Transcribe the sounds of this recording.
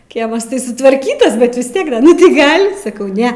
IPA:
ˈkʲiɛmɐs tɐɪ sʊtʋɐrʲˈkʲiːtɐs bʲɛt ʋʲɪs ˈtʲiɛk ˈdɐ nʊ tɐɪ ˈɡɐlʲ sɐˈkɐʊ ˈnʲɛ

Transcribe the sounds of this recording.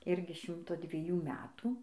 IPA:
ˈɪrʲɡʲɪ ˈʃʲɪmtoː dʲʋʲiɛˈjuː ˈmʲæːtuː

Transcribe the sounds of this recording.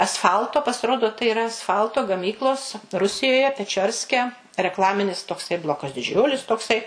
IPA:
ɐsˈfɐlˠtoː pɐsʲɪˈroːdoː tɐɪ ɪˈrɐ ɐsˈfɐlˠtoː ɡɐˈmʲiːklˠoːs ˈrʊsʲɪjoːjɛ pʲɛˈt͡ʃʲoːrʲsʲkʲɛ rʲɛkˈlˠɑːmʲɪnʲɪs toːˈksɐɪ ˈblˠoːkɐs dʲɪˈd͡ʒʲʊlʲɪs toːˈksɐɪ

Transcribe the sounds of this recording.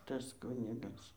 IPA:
ˈtɐs ˈkʊnʲɪɡɐs

